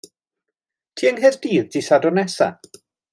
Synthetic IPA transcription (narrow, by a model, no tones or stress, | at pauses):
tʰiːəŋɦɛrd̥iːðdisadɔnɛsa̰